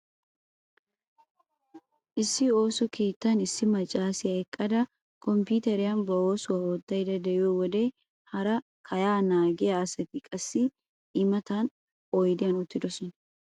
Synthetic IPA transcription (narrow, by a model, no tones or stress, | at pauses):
ʔɪsːɪo̞ːsɔkeːt̪ːanɪsːɪmɐt͡ʃʼaːsɪɐɛkʼːɐd̪ɐ | kɔmpuːt̪ɛɾɪjanbɐoːsʊɐhoːt̪ːɐjd̪ɐd̪ɐjoːwɔd̪eː | hɐɾɐ | kʰɐjaːnaːɡɪaːsɐt̪ɪkʼɐsːi | ʔɪmɐt̪aːn | ɔjd̪ɪɐnɔt̪ːɪd̪ɔsɔn